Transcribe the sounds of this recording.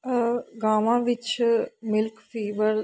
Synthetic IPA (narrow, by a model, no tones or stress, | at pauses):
ɡaːʋãːʋɪt͡ʃmɪlkfiːʋəɾ